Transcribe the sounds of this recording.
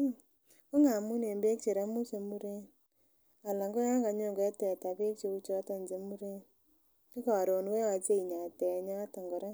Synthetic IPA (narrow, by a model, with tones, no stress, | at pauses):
ko˦ŋa˨mu˦ne˨mbe˦k̚t͡ʃe˨ɾa˦mu˦se˨mu˦ɾe˦n | a˨la˨ŋɡɔ˦ja˦ŋɡa˨˧ɲo˦˨ŋɡɛ˨˦tɛ˨ta˨pe˦k̚t͡ʃe˧u˦t͡ʃɔ˦ta˦˨nd͡ʒe˨mu˦ɾe˦n | ki˦kɔ˨ɾo˨nwɛ˦wa˨t͡ʃe˦i˨ɲa˨tɛ˨ɲa˦tɔ˨ŋɡɔ˨ɾa˦